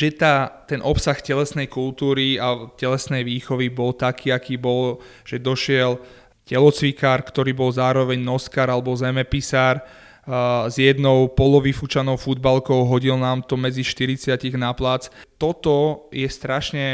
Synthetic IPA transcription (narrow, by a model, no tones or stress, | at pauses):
ʒɛt̪aːt̪ɛnʔɔpsaxcɛlɛsnɛjkult̪uːɾiacɛlɛsnɛjʋiːxɔʋibɔlt̪akʰiːakiːbɔl | ʒ̥ɛd̪ɔʃɪɛl | cɛlɔt͡sʋikaːɾkt̪ɔɾiːbɔlzaːɾɔʋɛɲnɔskaːɾalɛbɔzɛmɛpisaːɾ | zjɛd̪nɔʊpɔlɔʋifut͡ʃanɔʊfud̪balkɔʊɦɔɟilnaːmt̪ɔmɛd͡ziʃt̪iɾit͡sɪaciɣnaplaːt͡st̪ɔt̪ɔjɛst̪ɾaʃɲɛ